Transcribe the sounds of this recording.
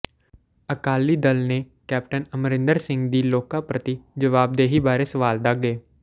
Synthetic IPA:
əkaːliːd̪əlneː | kɛːp̚ʈənəmɾɪ̃nd̪əɾsɪ̃ŋɡd̪iːloːkaːpɾət̪id͡ʒəʋaːb̚d̪eːɦiːbaːɾeːsəʋaːld̪ak̚ɡeː

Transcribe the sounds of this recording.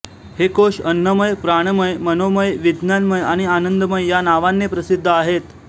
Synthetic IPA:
hekoʂənːəməjpɾaɳ̃məjmənoməjʋid̪njanməjaɽ̃ianənd̪əməjjanaʋanːepɾəsid̪ʱːəaɦet̪

